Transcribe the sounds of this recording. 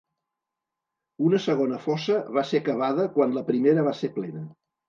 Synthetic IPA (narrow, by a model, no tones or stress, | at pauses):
unəsəɣ̞onəfɔsəβasekəβ̞aðəkwanləpɾimeɾəβaseplɛnə